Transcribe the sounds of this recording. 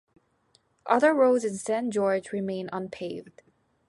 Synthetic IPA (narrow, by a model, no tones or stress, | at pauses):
ʔʌðə˞ɹoʊzɨ̃nsæ̃nd͡ʒɔɹd͡ʒɹɨmẽɪ̃nʌ̃npʰeɪvd̥